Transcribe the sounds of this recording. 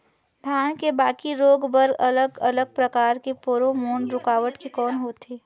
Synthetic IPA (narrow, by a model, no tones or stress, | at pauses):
d̪ʱjaːnkebaːkiɾoːɡbəɾɐləɡɐləɡ̚pɾɐkaːɾkepoɾomoːɳɖɾʊkaːʋəʈkikɔːnɦoːt̪ʰeː